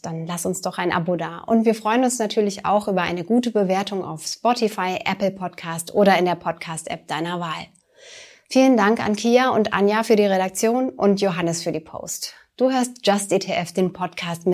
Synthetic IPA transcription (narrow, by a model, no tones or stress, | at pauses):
d̥anlasʊnsd̥ɔχaɪnʔa̰boːdaːʔʊ̰ntv̥iːɐfʁ̥ɔʏənʊnsnatʰyːɐlɪça̰ʊxʔyːbɐʔa̰ɪnəɡuːtəbəveːɐtʰʊŋa̰ʊfspɔtifaɪʔɛ̰pl̩pʰɔtkʰaːstʔoːɾɐɪndeːɐpʰɔtkʰaːstʔɛ̰p̚d̥aɪnɐvaːl | fiːləndaŋka̰nkʰiːaʊntʔa̰njafyːɐdiːʁeɾak̚t͡sjoːnʔʊ̰ntjoɦanəsfyːɐdiːpʰo̰ːst | d̥uːɦøːɐstd͡ʒ̥astʔetʰeʔɛfd̥eːnpʰɔtkʰaːstm